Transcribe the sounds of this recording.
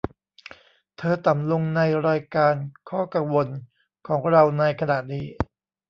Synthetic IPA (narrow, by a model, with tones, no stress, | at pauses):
t̪ʰɤː˧t̪a˨˩mlo˧ŋna˧jɾaː˧jkaː˧nkʰɔː˥˩ka˧ŋwo˧n | kʰɔː˩˦ŋɾa˧wna˧jkʰa˧naː˨˩t̪̚niː˦˧˩